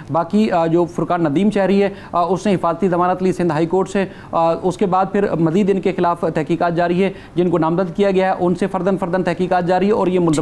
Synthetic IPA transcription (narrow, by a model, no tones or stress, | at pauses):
baːkid͡ʒoːfʊɾkaːnːɐd̪iːmʃɛɦɾiɦɛ | ʊsnẽɦɪfaːzət̪izɐmaːnət̪liːsɪ̃nd̪ɦaːikoːɾʈse | ʊskebaːd̪̚pʰɪɾmɐziːd̪ɪnkexɪlaːft̪ɛɦkiːkaːt̪̚d͡ʒaːɾiɦɛ | d͡ʒɪnkonaːmzəd̪kijaɡɐjaɦɛʔʊnsefɐɾd̪ənfʰɐɾd̪ənt̪ɛɦkiːkaːt̪̚d͡ʒaːɾiɦɛɔːɾjemʊl